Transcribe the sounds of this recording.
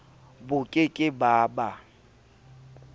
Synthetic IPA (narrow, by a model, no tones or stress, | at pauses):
bʊkʼɪkʼɪbaːba